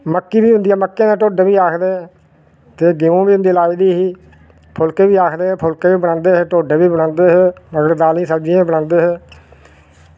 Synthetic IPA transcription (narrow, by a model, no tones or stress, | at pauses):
məkːiːbiːɦʊ̃nd̪iːaːməkːẽːnaːʈoːɖeʋiːaːkʰd̪eː | t̪eːɡɪõːbiːɦʊ̃nd̪iːlaːiːd̪iːɦiː | pʰʊlkeːʋiːaːkʰd̪eːepʰʊlkeːʋiːbəɽãːnd̪eːɦeʈoːɖeːbiːbəɽãːnd̪eːɦeːnəɡəɾd̪aːlĩːsəbd͡ʒiãːibəɽãːnd̪eːɦeː